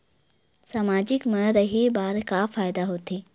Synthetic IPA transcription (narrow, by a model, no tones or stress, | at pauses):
saːmaːd͡ʒɪkməɾəɦebaːɾkafaːjd̪aɦoːt̪eː